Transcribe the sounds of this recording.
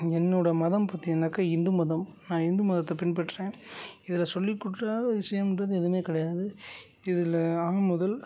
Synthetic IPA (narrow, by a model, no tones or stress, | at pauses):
ɛnːɯɽɐmɐðɐmpɐt̪ːɪɛnɐkːɐɪnd̪ɯmɐðɐmnãːɪnd̪ɯmɐðɐt̪ːɐpɪnpɐʈːɾẽːɪðɪlɐsɔlːɪkːʊʈːaːɣɐʋɪʂɐjɐmɪndrɐðɯɛðɯmeːkɐɽɐjaːðɯ | ɪðɪlɐaːmʊðɐl